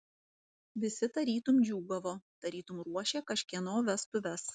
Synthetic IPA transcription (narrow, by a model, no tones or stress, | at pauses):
ʋʲɪsʲɪt̪ɐɾʲiːt̪ʊmd͡ʒʲuːɡɐʋoːt̪ɐɾʲiːt̪ʊmɾuɔʃʲeːkɐʃʲkʲiɛnoːʋʲɛst̪ʊʋʲɛs